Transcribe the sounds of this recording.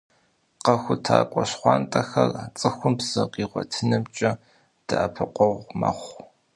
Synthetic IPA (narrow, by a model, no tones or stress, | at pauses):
qɐxʷʊtʰaːkʷʼɔɕχʷɑːntʼɐxɐrat͡sʼɨxʷʊmpsɨqiːʁʷɔ̰tʰɨnɨmt͡ʃʼɐ | d̥ɨʔɐpʰɨqʷɔʁʷmɐ̰χʷ